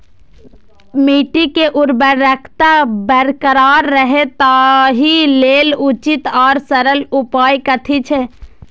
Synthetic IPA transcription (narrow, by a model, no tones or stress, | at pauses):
miʈikeʔuɾbəɾːəkʰt̪abəɾkəɾaːɾːəɦet̪aɦilelut͡ʃit̪aːɾsəɾəlupaːjkət̪ʰit͡ʃʰɛ